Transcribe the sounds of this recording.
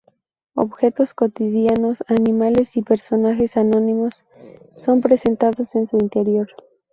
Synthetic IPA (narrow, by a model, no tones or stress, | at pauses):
o̞̰βxe̞t̪o̞sko̞t̪iðjano̞sanĩmale̞sipe̞ɾso̞naxe̞sano̞nimo̞sː | o̞mpɾe̞se̞nt̪aðo̞se̞nsuint̪e̞ɾjoɾ